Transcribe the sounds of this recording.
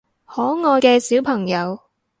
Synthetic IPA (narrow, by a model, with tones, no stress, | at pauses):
hɔː˨˥ŋɔː˨˧jkɛː˧siː˨˥wpʰɐ˨˩ŋjɐ˨˧w